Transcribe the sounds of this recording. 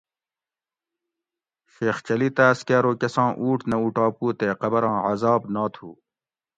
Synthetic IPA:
ɕeːxt͡ɕɐlit̪æːskaːɾoːkɐsɑ̃ːʔuːʈʰnɐuʈɑːpuːt̪eːqɐbɐɾɑ̃ːʕɐzɑːbnaːt̪ʰṵː

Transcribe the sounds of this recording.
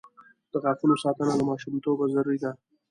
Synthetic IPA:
d̪̥əɣafunosɑt̪ənalamɑʃumt̪obazaɾːid̪a

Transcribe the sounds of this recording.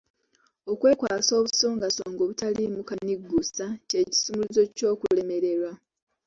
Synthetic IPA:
okwe̞ːkwaːso̞ːβusoːŋɡasoːŋɡo̞βutalimukaniɡːusace̞ːci̥sumuluzo̞co̞ːkule̞me̞ɾe̞ɾwa

